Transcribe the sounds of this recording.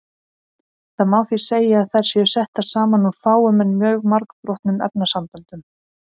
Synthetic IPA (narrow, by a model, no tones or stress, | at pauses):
θɛmaːwθi̥seːjɪaðθaɾ̥sjɛʏsɛht̪ḁsaːmanuɾfaːwʏmɛnmjœːɣmaɾkpɾɔht̪nʏmɛ̰p̚nasampɛlt̪ʏm